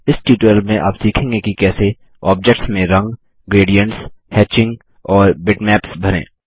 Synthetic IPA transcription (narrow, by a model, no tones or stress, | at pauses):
ɪsʈuːʈəlmẽʔa̰ːpsiːkʰẽːŋɡekikɛːse | ɔːb̚d͡ʒɛk̚ʈsmẽɾɐ̃ŋɡ | ɡɾeːɖijə̃ɳʈshɛːt͡ʃɪ̃ŋɡ | ɔːɾbɪʈmɛːpsbʱɐɾḛ̃ː